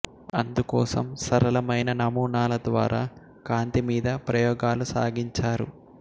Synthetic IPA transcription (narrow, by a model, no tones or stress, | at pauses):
ɐnd̪ukɔ̰ːsɐmsɐɾɐlɐmɐjnɐnɐmuːɳaːlɐd̪ʋa̰ːɾaː | kaːnt̪imiːd̪ɐpɾɐjɔːɡaːlusa̰ːɡiɲt͡ʃaːɾṵ